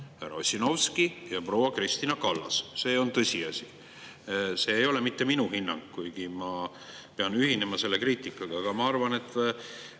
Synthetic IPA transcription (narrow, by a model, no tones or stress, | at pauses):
hæɾɑ̰osʲino̞wskijɑpro̞wɑkrist̪inɑkɑlːɑ̰sse̞ːo̞nt̪ɤsʲiɑsi | se̞ːejo̞le̞mit̪ːe̞minuhinːɑ̰ŋɡkujɡimɑ | pe̞ɑnyɦine̞mɑse̞lːe̞kriːt̪ˑikːˑɑɡ̥ɑːɡ̥ɑmɑɑrvɑne̞t̪ːˑ